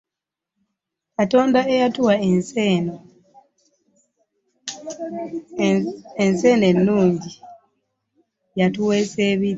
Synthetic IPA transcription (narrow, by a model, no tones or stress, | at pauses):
kato̞ːndaejatuwae̞nseno | ense̞ːne̞nːuːɲɟi | jatuwe̞seβi